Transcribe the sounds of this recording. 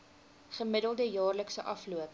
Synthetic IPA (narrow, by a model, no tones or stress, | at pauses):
χəmədəlˠdəjɑːrləksəʔɐfluəp̚